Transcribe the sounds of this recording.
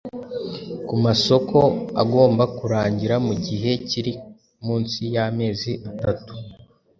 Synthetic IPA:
kumaso̞ko̞a̰ɡo̞ːmbakuɾaːɲɟiɾamuɟiɦe̞ciɾi | muːnsijame̞ːziʔatatu̥

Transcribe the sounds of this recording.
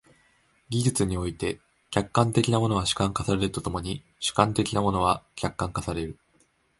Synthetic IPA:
ɡʲiʑɨt͡sɨɲ̟io̞it̪e̞ | kʲakːãnt̪e̞kʲinamo̞no̞βaɕɨ̥kãŋkasaɾe̞ɾɯ̟t̪ot̪o̞mo̞ɲ̟i | ɕɨ̥kãnt̪e̞kʲinamo̞no̞βakʲakːãŋkasaɾe̞ɾɯ̟

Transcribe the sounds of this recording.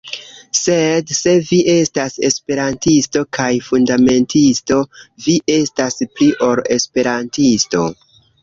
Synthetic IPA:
se̞dse̞viʔe̞stase̞̰spe̞ɾantisto̞kajfundame̞ntʰisto̞viʔe̞staspɾiʔo̞ɾe̞spe̞ɾantisto̞̰

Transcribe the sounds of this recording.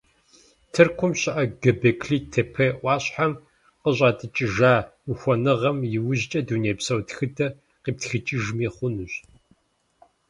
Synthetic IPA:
tʰɨrkʷʰʊmɕɪʔɐɡɨbekʰɬiːtʰepʰeʔʷɑːɕħam | qəɕʼaːtʼɨt͡ʃʼɪʒaːuxʷɔnɨʁɐmjɪwʊʑt͡ʃʼɐduːneːpsɐwtxɨdʰɐ | qiːp̚txɨt͡ʃʼɪʒmiːχʷʊnɨɕ

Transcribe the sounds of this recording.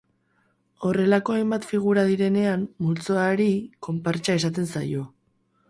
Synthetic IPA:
o̞re̞lako̞ajmbat̪fiɣ̞uɾaðiɾe̞ne̞amːult͡so̞aɾiko̞mpaɾt͡ʃae̞sat̪̬e̞nsajo̞

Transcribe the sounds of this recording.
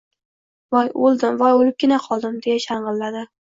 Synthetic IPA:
vɒjolˠd̪ɪmvɒjolɪp̚ɡʲɪnaqʰɒlˠd̪ɪmd̪e̞jaʃaɴʁɨlːad̪ɪ

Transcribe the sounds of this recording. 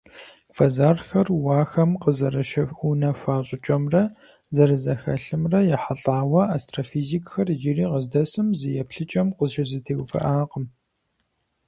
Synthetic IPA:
fɐzaːrxɐrwaːxɐmqəzɐɾɐʃɐfunɐɕʷaːɕʼɪt͡ʃʼɐmrɐ | zɐɾɨzɐxɐ̰ɬɨmrɐjɛħaɬʼaːwɐaːstrafiːzikʼxɐrʒiriːqəzdɐsɨmzɨjɛpɬɨt͡ʃʼɐmqəzʒɐzɨtʰeːwʷfɐ̰ʔaːqəm

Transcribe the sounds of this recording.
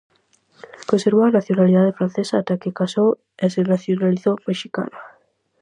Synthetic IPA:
konseɾβ̞oanaθjonaliðað̞efɾan̟θesaːt̪akekasow | esenaθjonaliθomeʃika̰na

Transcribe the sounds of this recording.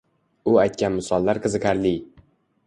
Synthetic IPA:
ʊajt̪̚kʲanmɪsɒlˠːaɾqʰɨzɨqʰaɾlɪ

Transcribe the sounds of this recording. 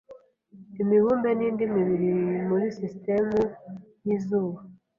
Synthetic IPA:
imiβuːmbe̞niːndimiβiɾimuɾisiste̞muniːzuːβa

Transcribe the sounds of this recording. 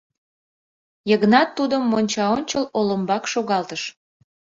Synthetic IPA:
jəɣnɑt̪ːud̪əmːonʲt͡ɕɑonʲt͡ɕəloləmbɑkʃoɣɑlt̪əʃ

